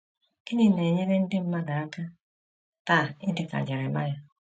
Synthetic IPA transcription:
ki˦ni˦ne˨ɲɛ˦ɾe˦n̩˦de˦m̩˦ma˦ɡa˨˦ka˦ | ta˦˨i˦nde˨ka̰˨d͡ʒa˨ɾe˨ma˦ja˨

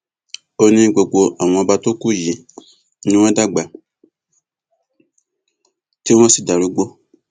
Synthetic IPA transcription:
o˧nĩ˧ɡ͡bo˨ɡ͡bo˧ʔa˨w̃ɔ̃˧˨ba˧to˦ku˦˨ji˨˦ | nũ˦ɛ̃˦da˦ɡ͡ba˨ | ti˦w̃ɔ̃˦si˦da˨lu˨˦ɡ͡bo˦

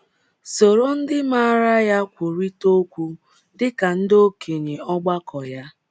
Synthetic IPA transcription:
so˨ɾo˦n̩˦dɪ˦ma˦a˦˨ɾa˦ja˦kʷu˨ɾi˦to˦kʷu˦ | dɪ˦ka˨n̩˦do˦kʰe˨ɲe˨ɔ˦ɡ͡ba˦kɔ˨ja˦

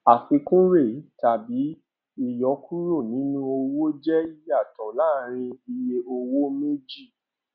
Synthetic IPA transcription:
a˨fi˧kũ˦ɾe˦˨˦ta˨bi˨˦ | i˦˨jɔ˨˦kʰu˦ɾo˦˨nĩ˨˦nũ˦o˧wo˦d͡ʒɛ˦i˦ja˦˨tɔ̃˨la˦ɾ̃ĩ˧i˧je˧o˧wo˦me˦d͡ʒi˦˨

